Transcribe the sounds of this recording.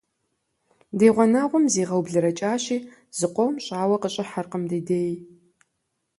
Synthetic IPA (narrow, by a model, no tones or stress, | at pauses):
deːʁʷɔnɐʁʷʊmziːʁɐwbɮɨɾɐt͡ʃʼaːɕiː | z̥ɨqʷɔwmɕʼaːwɐqəɕʼɪħarqəmdiːdeːj